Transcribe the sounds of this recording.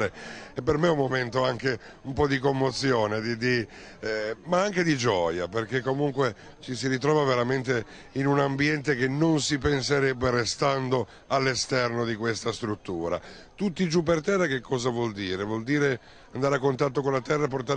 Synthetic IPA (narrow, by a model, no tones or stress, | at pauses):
eɛpːermeumːoment̪oaŋke | umpɔd̪ik̬omːot̪sːjoːned̪id̪i | maaŋked̪id͡ʒɔːjaperkekːomuŋkwe | t͡ʃisiɾit̪̬ɾɔːvaveɾament̪e | inunambjɛnt̪ekenːonsipenseɾɛbːerest̪and̪o | alːest̪ɛrnod̪ikwest̪ast̪ɾut̪ːuːɾa̰ | t̪ut̪ːid͡ʒupːert̪ɛrːak̟ekːɔːzavwɔld̪iːɾevwɔld̪iːɾe | and̪aːɾeakːont̪at̪ːokonlat̪ɛrːaep̬ort̪aɾ